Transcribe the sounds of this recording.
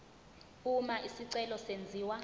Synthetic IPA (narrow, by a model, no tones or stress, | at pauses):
umaʔisiǀɛlɔsend͡zʱiːwa